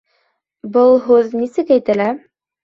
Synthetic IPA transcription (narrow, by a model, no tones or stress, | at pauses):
bɤlˠɦʉðnisɘkæjt̪ɘlæ